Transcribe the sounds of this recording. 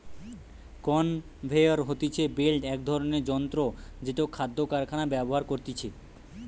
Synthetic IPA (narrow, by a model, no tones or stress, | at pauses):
kɔn | bʱeoɾɦot̪it͡ɕʰebelʈɛk̚d̪ʱɔɾoneɾd͡ʑɔnt̪ɾod͡ʑeʈaokʰad̪ːokaɾkʰanabɛboɦaɾkoɾt̪it͡ɕʰe